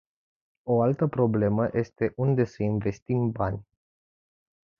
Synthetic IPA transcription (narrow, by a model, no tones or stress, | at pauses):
o̞alt̪əpɾo̞ble̞məjʔe̞st̪e̞ʔund̪e̞səinve̞st̪imbanʲ